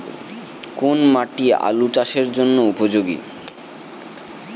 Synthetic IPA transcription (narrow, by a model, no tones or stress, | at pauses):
konmaʈia̰luʈaʃeɾd͡ʑonːoupod͡ʑoɡḭ